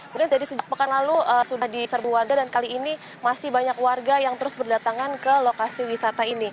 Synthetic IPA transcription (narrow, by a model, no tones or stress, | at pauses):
muŋkɪnd͡ʒadisəd͡ʒak̚pəkanlaluəsudahdisərbuwarɡadankaliːni | masɪhbaɲakwarɡajaŋt̪əɾʊsbərdat̪aŋankəlokasiwisat̪aini